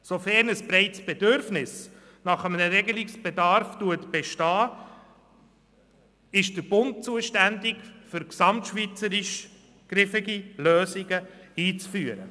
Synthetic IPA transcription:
sofɛɾnəsb̥ɾɛɪtsb̥ɛdøɾfnɪs | nɑχəmənəɾɛɡəlɪksb̥ɛdɑɾftuətb̥ɛʃtɑː | ɪʃd̥əɾbʊnt̚t͡suəʃtændɪkfʏɾksɑmtʃʋit͡səɾɪʃ | ɡ̥ɾɪfɪɡiløːsɪɡəiːt͡sfyːəɾə

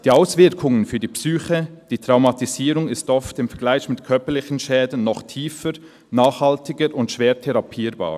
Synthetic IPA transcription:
d̥iːaʊsv̥ɪɾkʰʊŋənfyːɐdipsyːçəd̥iːtʁ̥aʊmɑtiziːɾʊŋɪstʔɔftɪmfɛɐɡlaɪçmɪtkʰœɐpəlɪçən̩ʃɛːdən̩ːɔχtʰiːfəɾ | naːχhɑltɪɡəɾʔʊntʃv̥eːtʰɛɾɑpʰiːɾba̰ː

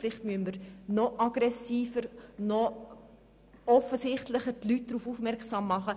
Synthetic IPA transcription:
lɪχtmyənməɾnɔʔɑɡ̥ɾɛsiːfəɾnɔ | ɔfəsɪχtləχəɾtlyt̚d̥ɾuːfufmɛɾksɑːmːɑχə

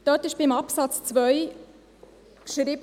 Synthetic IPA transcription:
d̥œtɪʃb̥ɪmɑpsɑt͡st͡svœʏ | kʃɾiːb

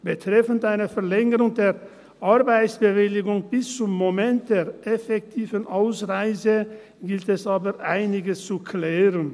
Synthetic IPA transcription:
b̥ətʁ̥ɛfən̩taɪnəfɛɐlɛŋəʁʊŋdeːɐ | ʔaʁbaɪt͡sb̥əvɪlɪɡʊŋb̥ɪst͡sʊmːomɛnt̚d̥eːʁʔɛfɛk̚tʰiːvənʔaʊsʁaɪzə | ɡɪltɛsʔaːbəʔaɪnɪɡəst͡sukʰlɛːʁən

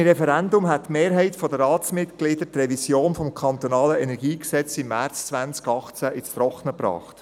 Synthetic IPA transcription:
ɾɛfɛɾændʊmɦætːmeːɾɦɛɪtfɔdəɾɑːt͡smɪt̪ɡ̥lid̥əɾt̪rɛvisjoːnfɔmkʰɑnt̪ɔnɑːləɛnɛɾɡ̥iːksɛt͡simːært͡st͡sʋænt͡skɑχt͡sæʔɪt͡st̪ɾɔχnəpɾɑ̰ːχt

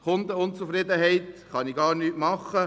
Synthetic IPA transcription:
χʊnd̪əʊnt͡sufɾɪd̪əɦɛɪt̪χɑniɡɑːɾnyːtmɑχːə

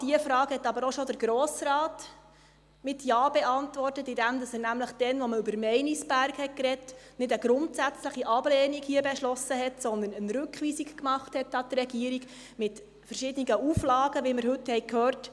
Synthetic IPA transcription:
d̥iəfɾɑːɡhɛtːɑbəɾoʃɔdəɾɡɾɔːsɾɑːt | mɪtjɑːbeɑntʋɔrtətɪdæmd̪ɑsənæmləχd̥ɛnʋɔməʉbəɾmɛɪnisb̥æɾkhɛt̚kɾɛtnɪdəɡ̥ɾʊntsæt͡sləχiʔɑb̥lɛːniɡhiəbɛʃlɔsəɦɛtsɔnd̪ənənɾʉkχʋiːsikkmɑχthɛtɑtrɛɡiəɾiɡ | mɪt | fəɾʃɪdəniɡəuflɑːɡəʋiməɾɦɵthɛjkʰhøːrt

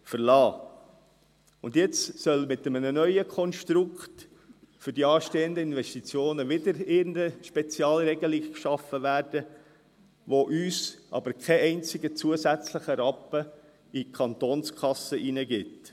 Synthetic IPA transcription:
fəɾlɑː | ʊndjɪt͡ssœlmɪtəmənənœʏəkʰɔnʃtɾʊkχt | fʏɾdiɑːʃteːənd̪əɪnʋɛʃtit͡sjoːnəʋɪdəɾɪndəʃpɛt͡siɑːlɾɛɡəliɡkʃɑfəʋæːrd̥ə | ʋoʔyːsʔɑ̰bəɾkʰɛɛɪnt͡sɪɡət͡suəzæt͡sləχəɾɑpːə | ikʰɑnt̪oːnskʰɑsəʔinəɡɪt

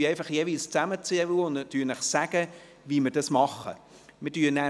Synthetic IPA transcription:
yɛɪfɑχjeːʋilst͡sæmət͡siəuʊndnɑt̪yːnləχsæɡ̥ə | viːmɪɾdɑsmɑχə̰ | mɪɾdyːnæ

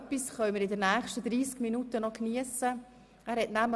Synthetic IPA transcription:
pisχœʏməɾɪdənæːχʃtəd̪ɾiːskminutənɔkniəsə | æːɾɦɛtnæml

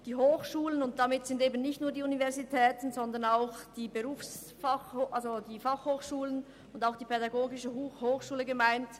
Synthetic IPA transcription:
d̥iːɦoːxʃuːlənʊnt̚d̥amɪtz̥ɪndeːbənnɪçtnuːɐdiːunivɛɐzitʰɛːtn̩zɔndɐnaʊxd̥iːbəʁuːfs | faoʔalzodiːfɑχhoːxʃuːlən | ʊndaʊxd̥iːpʰɛdaɡoːɡɪʃəhhoːxʃuːləɡəmaɪnt

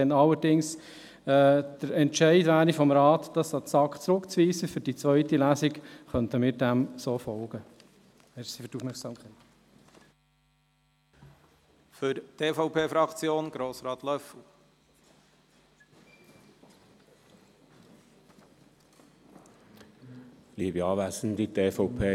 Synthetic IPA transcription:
ɛnɑlːəɾdɪŋs | ɛːd̥əɾɛntʃɛɪdvæːɾifɔmɾɑːt̪d̥ɑsɑt͡sɑkχt͡sɾʊkt͡sʋiːsəfʏɾd̥it͡sʋœʏtilæsikχœntəmɪːɾdæmsoːfɔlɡ̥ə | ɛsifətufmɛχsɑːmkʰɛɪt | fʏɾt̪ʰeːfɔʊpʰeːfɾɑkt͡sjoːnɡ̥ɾoːsɾɑːt̪lœflu | liːəbiɑːʋæsən̩d̪it̪eːfɔʊpʰeː

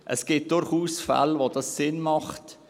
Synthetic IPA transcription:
ʔəsɡ̥ɪːt̚d̥ʊɾχuːsfa̰lvodɑsːɪnmɑχt

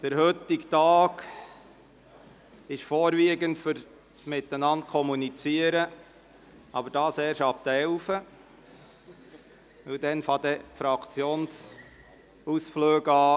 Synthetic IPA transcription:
d̪̥əɾhɵt̪ɪktɑːɡ | ɪʃfoːɾviːɡəntfʏɾ | smɪtənɑnt̚kʰɔmunit͡siəɾə | ʔɑ̰bəɾd̥ɑːsɛːɾʃɑp̚t̪əɛlfə | ʋɪldɛnfɑd̪ɛfɾɑkʰt͡sjoːns | usfløːɡɑː

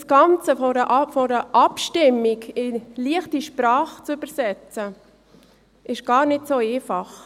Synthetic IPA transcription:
sɡ̥ɑnt͡səfɔɾəʔfɔɾəʔɑpʃtɪmːɪkɪliəχtiʃpɾɑːχt͡syb̥əɾsɛt͡sə | ʔɪʃɡ̥ɑːɾnɪtsoːeːfɑχ

